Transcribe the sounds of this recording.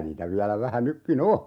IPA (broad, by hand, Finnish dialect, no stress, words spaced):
niːtæ ʋiælæ ʋæhæ nykːin o